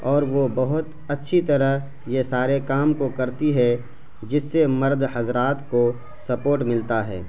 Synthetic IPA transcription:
ɔːɾʋobɐɦʊt̪ | ɐtːʃʰit̪ɐɾəɦ | jesaːɾekaːmkokɐɾt̪iɦɛ | d͡ʒɪsːemɐɾd̪hɐzɾaːt̪ko | sɐpoːɾʈmɪlt̪aɦɛ̰ː

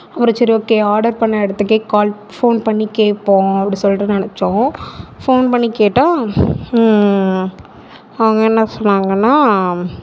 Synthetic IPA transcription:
ɐʋɐɾɐt͡ʃːɐɾioːkːeːaːɾɖɐɾpɐɳːɐɛɽɐt̪ːɯkːeːkaːl | foːnpɐɳːikeːpːõːɐpɐɽisɔlːɾɐnɐnɛt͡ʃːõfoːnpɐɳːikeːʈːãː | ɐʋɐŋɡɐɛnːɐsɔnːaːŋɡɐnːaː

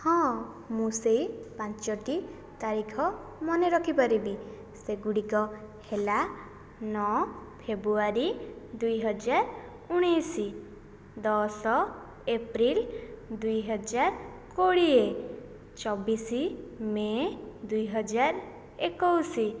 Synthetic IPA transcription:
hɔ̃ | mũsejpant͡ʃɔʈi | t̪aɾikʰɔmɔneɾɔkʰipaɾibi | seɡuɽikɔ | hela | nɔpʰebɾuaɾid̪ujɦɔd͡ʒaɾ | uɽ̃isi | d̪ɔsɔ | epɾild̪ujɦɔd͡ʒaɾ | koɽie | t͡ʃɔbisimed̪ujɦɔd͡ʒaɾ | ekɔwsi

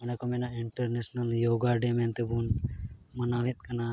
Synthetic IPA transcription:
ɐnakɔmɛnaiɳʈeɾnesnɐljoːɡaɖement̪ebunmɐnaʋit̪̚ˀkɐna

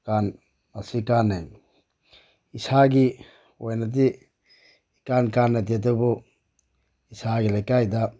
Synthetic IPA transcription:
kan | masikanaj | isaɡi | ojnadi | kankanːad̬iatɔbɔ | isaɡilajkajda

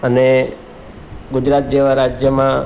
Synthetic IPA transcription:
əne | ɡud͡ʒɾat̪̚d͡ʒeʋaɾad͡ʒjəmã

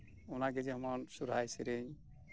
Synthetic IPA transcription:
ɔnaɡɛd͡ʒɛɔmɔnsuɾajsiɾeɲ

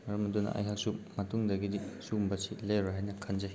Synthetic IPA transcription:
mɐɾɐmɐdunɐ̰ʔɐ̰jɦak̚sup̚mɐtuŋdɐɡidisumbɐsilejɾoɦajnɐkʰɐnd͡ʒɐj

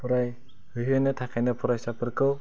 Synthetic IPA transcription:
pʰɔɾaj | hɯjɦɯnɯtʰakʰajnɯpʰɔɾajsapɯɾkɯw

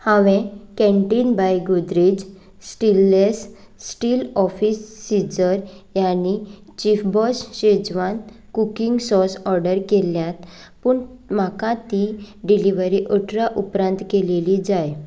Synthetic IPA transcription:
hãʋẽkɛ̃ɳʈiːnbajɡud̪ɾid͡ʑ | sʈilːes | sʈiːlɔfiːsːid͡zəɾjanit͡ɕifbɔsɕed͡zʋan | kukiŋɡsɔsɔɾɖəɾkeljãt̪ | puɳ | makãt̪iɖiliʋəɾiʔəʈɾaʔupɾãnt̪kelelid͡zaj

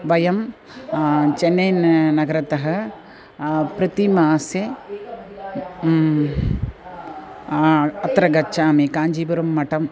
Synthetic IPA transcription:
ʋɐjɐm | t͡ʃenːɐjnnɐɡɐɾɐt̪ɐɦɐ̆ | pɾɐt̪imaːse | ɐt̪ɾɐɡɐt͡ʃːaːmikaːɲd͡ʒiːbɐɾɐmːɐʈɐm

